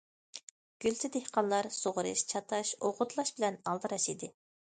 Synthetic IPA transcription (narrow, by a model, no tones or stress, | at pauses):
ɡ̥ʲylt̪ʰɪd̪ehqɑnlˠɑɾsoʁɾɨʃt͡ʃʰɑt̪ʰɑʃoʁʊt̪ʰlˠɑʃbɪlɛnɑlˠd̪ɨɾɑʃid̪ɪ